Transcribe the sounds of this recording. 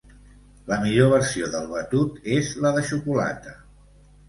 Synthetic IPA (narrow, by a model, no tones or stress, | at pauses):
ləmiʎoβ̞əɾsioðəlˠβət̪ut̪ezləðəʃukula̰t̪ə